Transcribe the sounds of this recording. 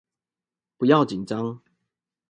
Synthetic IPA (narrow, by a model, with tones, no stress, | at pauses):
pu˨˦ja˥˨ʊt͡ɕi˨˩nʈ͡ʂa˦ŋ